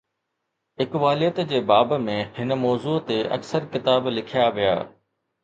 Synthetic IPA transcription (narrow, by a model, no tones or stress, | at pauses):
ɦɪkʋaːlijət̪d͡ʑeːbaːbmẽhɪnə̆mɔːzuːt̪eʔɐ̰ksəɾkɪt̪aːblɪkʰijaʋija̰ː